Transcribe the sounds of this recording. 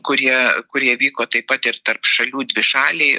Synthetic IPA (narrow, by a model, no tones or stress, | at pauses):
kʊɾʲiɛkʊɾʲiɛʋʲiːkoːt̪ɐɪpɐt̪ɪɾt̪ɐrpʃɐlʲuːd̪ʲʋʲɪʃɑːlʲeɪ